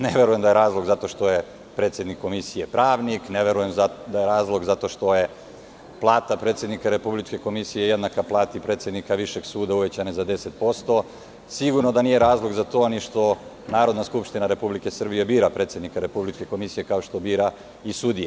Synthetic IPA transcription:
neʋe̞ɾuje̞md̪ajeɾaːzlˠo̞ɡzat̪o̞ʃt̪o̞je | pɾet̪sʲje̞d̪nikːo̞misijepɾaːʋnikneʋe̞ɾuje̞mzd̪ajeɾaːzlˠo̞ɡzat̪o̞ʃt̪o̞je | plˠaːt̪apɾet̪sʲjed̪nikaɾe̞publit͡ʃke̞ko̞misijeje̞d̪nakaplˠaːt̪ipɾe̞t̪sje̞d̪nikaʋiʃe̞ɡsuːd̪auʋet͡ɕanezad̪e̞set̪̚po̞st̪o̞ | siɡuɾnod̪aniːje̞ɾaːzlˠo̞ɡzat̪o̞ːniʃt̪o̞ | naːɾo̞d̪naskupʃt̪inaɾe̞publike̞sr̩bije̞biːɾapɾe̞t̪sʲjed̪nikaɾe̞publit͡ʃke̞ko̞misije̞kao̞ʃt̪o̞biːɾa | isud̪ije

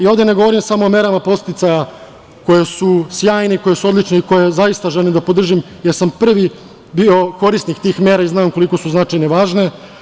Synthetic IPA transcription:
io̞ʋd̪ene̞ɡoʋo̞ɾimsamo̞omeɾamapo̞st̪it̪saja | ko̞jesusjaːjneiko̞jesuod̪lit͡ʂneiko̞jezajist̪aʒelimd̪apo̞d̪r̩ʒim | jeɾsampr̩ʋi | bio̞ko̞ɾisnikt̪iːxmeːɾaiznaːmkoliko̞suznat͡ʂajneʋaːʒne

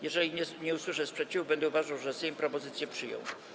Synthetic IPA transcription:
jɛʐɛlʲiɛɲɛuswɘʂɛspʂɛt͡ɕivubɛnd̪ɛuvaʐawʐɛsɛ̃pɾɔpɔzɘt̪sʲjɛpʂɘjɔ̰̃w̃

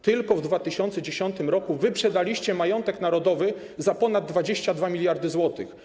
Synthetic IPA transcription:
t̪ɘlkɔvd̪vat̪ɘɕɔnt̪sɛd͡ʑeɕɔnt̪ɘmɾɔkuvɘpʂɛd̪alʲiɕt͡ɕɛmajɔnt̪ɛknaɾɔd̪ɔvɘ | zapɔnad̪ːvad͡ʑeɕt͡ɕad̪vamʲilʲjaɾd̪ɘzwɔt̪ɘx

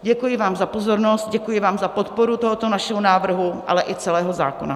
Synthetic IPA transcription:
ɟɛkujɪvaːmzapo̞zo̞ɾno̞st̪̚ɟɛkujɪvaːmzapo̞t̪po̞ɾut̪o̞ɦot̪o̞naʃɛɦonaːvr̩ɦuʔa̰lɛʔɪt͡sɛlɛːɦo̞za̰ːkona

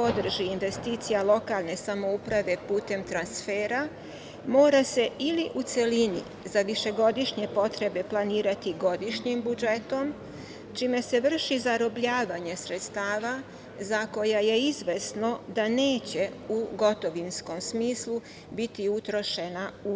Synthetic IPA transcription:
o̞d̪r̩ʒiːnʋe̞st̪iːt̪sijalˠo̞kalˠne̞samo̞upɾaʋe̞puːt̪e̞mt̪ɾansfeːɾa | mo̞ːɾase̞iliʔut̪se̞linḭ | zaʋiʃe̞ɡo̞d̪iʃɲe̞po̞t̪ɾe̞be̞plˠaniːɾat̪iɡo̞d̪iʃɲimbud͡ʒe̞t̪o̞m | t͡ʃime̞se̞ʋr̩ʃizaɾo̞bʎaːʋaɲe̞sɾe̞t̪st̪aːʋa | zako̞jaje̞izʋe̞sno̞d̪aneːt͡ɕe̞uɡo̞t̪o̞ʋinsko̞msmiːslu | bit̪iut̪ɾo̞ʃe̞nau

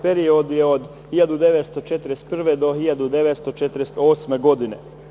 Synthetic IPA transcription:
peɾiod̪ujeod̪ | hiʎad̪ud̪e̞ʋet̪st̪ot͡ʃet̪ɾest̪̚pr̩ʋed̪o̞ɦiʎad̪ud̪eʋet̪st̪ot͡ʃet̪ɾest̪oːsmeɡo̞d̪inḛ

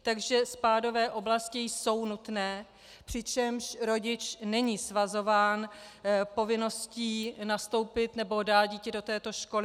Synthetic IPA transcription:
t̪aɡʒɛspaːdo̞vɛːʔo̞blascɪjso̞wnut̪nɛː | pr̝̥ɪt͡ʃɛmʃɾo̞ɟɪt͡ʃnɛɲiːsvazo̞vaːnpo̞vɪno̞sciːnast̪o̞wpɪt̪nɛbo̞daːt̪̚ɟiːcɛdo̞t̪ɛːt̪o̞ʃko̞lɪ

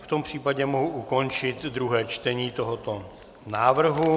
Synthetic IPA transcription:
ft̪ompr̝̥iːpaɟɛmoɦuʔuko̞nt͡ʃɪt̪d̪ɾuɦɛːt͡ʃt̪ɛɲiːt̪oɦot̪o | naːvr̩ɦu

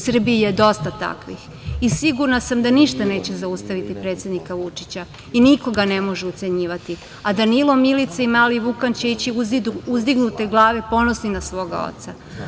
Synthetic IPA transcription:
sr̩biːjed̪o̞st̪at̪a̰kʋḭx | isiɡuɾnasamd̪aniʃt̪ane̞ːt͡ɕe̞zaust̪aʋit̪ipɾet̪sjed̪nikaʋut͡ʂit͡ɕa | iniko̞ɡane̞mo̞ʒeut̪se̞ɲiːʋat̪i | ad̪anilˠo̞milit̪saimaːliʋukant͡ɕeit͡ɕiuuzd̪iɡnut̪e̞ɡlˠaːʋe̞po̞nosninasʋo̞ːɡa̰o̰t̪sa

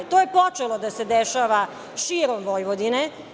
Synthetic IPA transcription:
t̪oːjepot͡ʃelˠod̪ased̪eʃaːʋa | ʃiːɾomʋoːjʋod̪ine

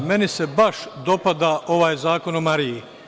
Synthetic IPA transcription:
me̞nise̞baʃd̪o̞pad̪aʔo̞ʋaːjzaːko̞nomaɾiji

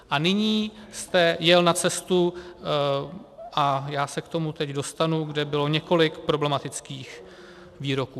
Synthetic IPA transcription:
ʔanɪɲiːst̪ɛjɛlnat͡sɛst̪u | ʔajaːsɛkt̪o̞mut̪ɛcdo̞st̪anuɡdɛbɪlo̞ɲɛko̞lɪkpɾo̞blɛmat̪ɪt͡skiːx | viːɾo̞kuː

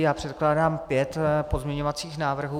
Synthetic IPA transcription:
jaːpr̝̥ɛt̪klaːdaːmpjɛt̪po̞zmɲɛɲo̞vat͡siːxnaːvr̩ɦuː

